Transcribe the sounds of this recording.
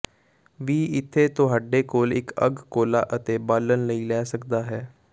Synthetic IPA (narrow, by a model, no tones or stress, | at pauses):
ʋiːɪt̪ʰːeːt̪ʊɦaːɖeːkoːlɪkəɡkoːlaːʔət̪eːbaːlənləiːlɛːsəkd̪aːɦɛː